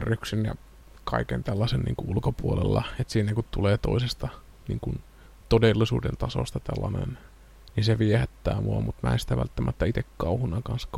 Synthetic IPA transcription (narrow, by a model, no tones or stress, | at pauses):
ryksynjɑ̰ | kɑ̰ikent̪ælːɑsennḭːŋkuulkopuolelːɑ̰et̪siːnækut̪t̪uleːt̪oisest̪ɑ | nḭːŋkun | t̪odelːisṵːdḛnt̪ɑso̰st̪ɑt̪ælːɑnḛn | ninseʋiehæt̪ːæːmuɑmut̪mæensi̥t̪æʋæ̰lt̪ːæmʔæt̪ːæit̪ekkɑuhunɑkɑnsk